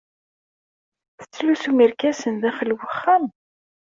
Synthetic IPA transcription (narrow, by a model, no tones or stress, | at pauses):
θə̥t͡sːlusumiɾkæsənðæχəlwəχːæm